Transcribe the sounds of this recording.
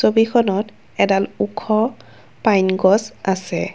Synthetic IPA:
sobikʰɔnɔt | ɛdalukʰːɔ | pajnɡɔsasɛ

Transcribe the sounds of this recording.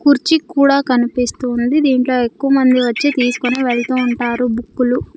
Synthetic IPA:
kuɾt͡ʃikuːɽaːkɐnipist̪und̪id̪iːɳʈlo̞ːe̞kːuʋɐmɐnd̪iʋɐt͡ʃːit̪iːsu̥kuniːʋeɭɐt̪uːɳʈaːɾubukːulu

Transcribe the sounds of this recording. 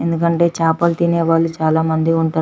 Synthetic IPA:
end̪ukɐɳʈe̞ːt͡ʃaːpɐlt̪ineːʋaːɭːut͡ʃaːlaːmɐnd̪iuɳʈaː

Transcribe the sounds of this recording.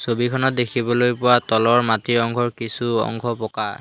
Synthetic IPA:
sobikʰɔnɔt̚dekʰibɔlojpʊwatɔlɔɹmatiɹɔŋkʰɔɹkisuɔ̰ŋkʰɔpɔka

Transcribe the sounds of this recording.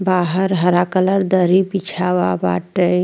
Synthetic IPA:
baːɦəɾɦəɾakələɾd̪əɾibit͡ʃʰaʋaba̰ːʈəi

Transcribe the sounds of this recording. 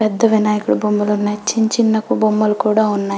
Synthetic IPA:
ɛd̪ːɐʋinaːjɐkuɽubombɐlunːɐt͡ʃːiɲt͡ʃinːɐkubombɐlukuːɽaːunːaː

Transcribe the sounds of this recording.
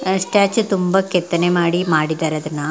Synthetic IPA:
sʈaːt͡ʃt̪umbɐkɛt̪ːɐnemaːɽimaːɽid̪aːɾɐd̪ɐnːɐ

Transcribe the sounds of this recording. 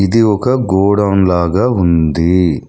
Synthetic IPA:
id̪iɔkɐɡɔːɽɐmlaːɡaːund̪i

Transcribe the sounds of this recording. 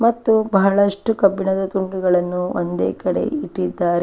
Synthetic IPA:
mɐt̪ːubɐɦɐɭɐʂʈukɐbʱiɳɐd̪ɐt̪uɳɖuɡɐɭɐnːuo̰nd̪ḛːkɐɽe̞̰iʈːid̪ːaːɾe

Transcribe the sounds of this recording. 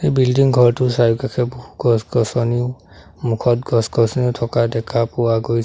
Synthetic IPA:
ejbildiŋɡʱɔɹtʊsajukakʰɛbohu̥ɡɔsɡɔsɔniʊ | mukʰɔt̚ɡɔsɡɔsɔniʊtʰɔkadɛkʰapuwaɡoj

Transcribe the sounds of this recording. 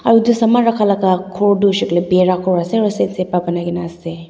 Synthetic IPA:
ɐɾudusɐmaɾakʰalaɡakʰoɾdusiklebeɾakʰɔɾaseɾusensepabɐnaɡinase

